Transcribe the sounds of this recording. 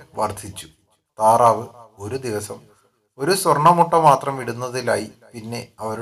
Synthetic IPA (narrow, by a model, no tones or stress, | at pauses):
ʋɐrd̪ʱit͡ɕːu̥ | t̪aːraːʋɨo̞ɾud̪iʋɐsɐm | o̞ɾuswɐrɳɐmuʈːɐmaːt̪rɐmiɽunːɐðilaːjipinːe̞ɐʋɐɾu